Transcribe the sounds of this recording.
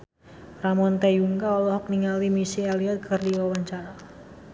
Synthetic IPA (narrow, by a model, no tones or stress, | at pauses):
ramɔnt̪ejuŋkaɔlɔɦɔk̚niŋalimisialiat̪̚kʰərdiwawaɲt͡ʃaɾa